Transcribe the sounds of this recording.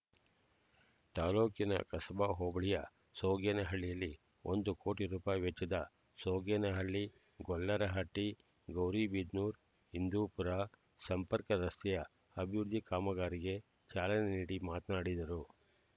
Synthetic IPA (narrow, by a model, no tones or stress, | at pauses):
t̪aːloːkinɐ̰kɐsɐbaɦoːbɐɭijɐ | soːɡɛnɐɦɐɭːijɐlːi | o̰nd̪ukʰo̞ːʈiɾuːpaːjiʋɛt͡ʃːɐd̪ɐ | soːɡɛːnɐɦɐɭːi | ɡɔlːɐɾɐɦɐʈːi | ɡɐwɾibid̪nuːɾ | hind̪uːpuɾa | sɐmpɐɾkɐɾɐst̪ʰɛjɐ | ɐbʱiʋɾd̪ʱikaːmɐɡaːɾiɡe̞ | t͡ʃaːlɐneniːɽimaːt̪naːɽid̪ɐɾu